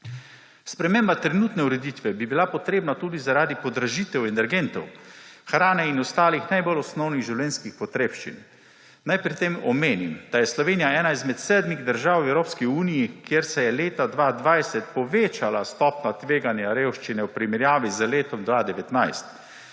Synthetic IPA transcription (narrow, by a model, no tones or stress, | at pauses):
spɾɛmembat̪ɾɛnuːt̪nɛuɾɛd̪it̪ʋɛbibilapɔt̪ɾeːbnat̪uːd̪izaɾaːd̪ipɔd̪ɾaʒit̪ɛwɛnɛɾɡent̪ɔwxɾaːnɛinɔst̪aːlixnajbolɔsnɔwniɣʒiwlɛːnskixpɔt̪ɾeːpʃt͡ʃḭn | najpɾit̪emɔmeːnimd̪̥ajɛslɔʋeːnijaɛːnaizmɛt̪sɛːd̪miɣd̪əɾʒaːwɛwɾoːpskiuːnijikjeɾsɛjɛleːt̪ad̪ʋad̪ʋajsɛt̪̚pɔʋeːt͡ʃalast̪ɔːpnat̪ʋeːɡanjaɾewʃt͡ʃinɛwpɾimɛɾjaːʋizəleːt̪ɔmd̪ʋaːd̪ɛʋɛt̪najst̪